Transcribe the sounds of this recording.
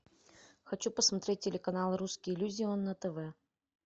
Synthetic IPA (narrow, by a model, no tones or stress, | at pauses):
xɐt͡ɕupəsmɐt̪ɾʲet̚ʲːɪlʲɪkɐnalˠɾuskʲɪɪlʲuzʲɪɔnːət̪əvɛ